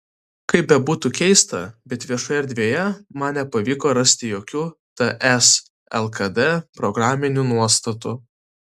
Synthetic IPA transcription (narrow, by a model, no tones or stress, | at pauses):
kɐɪp̚bʲɛbuːt̪ukʲɛɪst̪ɐ̰bʲɛt̪ʋʲiɛʃoːjɛɾʲd̪ʲʋʲiɛjɛmɐnʲnʲɛpɐʋʲiːkoːɾɐsʲt̪ʲɪjoːkʲuːt̪ɐʔɛs | ɛ̰lˠkɐd̪ɛpɾɔɡɾɑːmʲɪnʲuːnuɔst̪ɐt̪ʊ